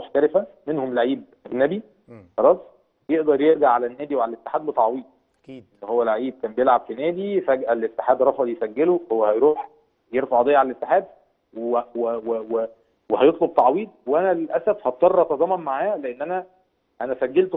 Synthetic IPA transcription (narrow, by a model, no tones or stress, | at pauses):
moħt̪æɾefæmenhomlʕiːb̚ʔæɡnæbi | xɑlˤɑːsˤ | jeʔd̪ɑɾˤjeɾɡaʕːalænːæːd̪iwʕalælet̪ːe̥ħaːd̪bet̪ɑʕwiːd̪̚ | ʔenːohowːælʕʕiːb̚kæːmbejelʕabfinæːd̪ifæɡʔælet̪ːeħaːd̪ɾˤɑħɑd̪jesæɡːelohowːæhæjɾuːħ | jeɾfɑʕʔɑd̪eːjːʕalælʔet̪ːeħaːd̪ | wwewewe | wehæjot̪ˤlob̚t̪ɑʕwiːd̪̚weʔænælelʔæsæfhɑt̪ˤːɑrˤːɑt̪ːɑzˤɑːmːɑnmaʕaːleʔenːʔænæ | ʔænæsæɡːelt̪